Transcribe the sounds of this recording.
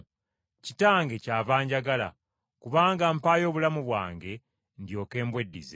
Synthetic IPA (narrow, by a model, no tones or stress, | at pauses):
citaːŋɡe̞caːvaːɲɟaɡala̰ | kuβaːŋɡampaːjo̞ːβulamuβwa̰ːŋɡe̞ | ndjo̞ːke̞ːmbwe̞dːḭze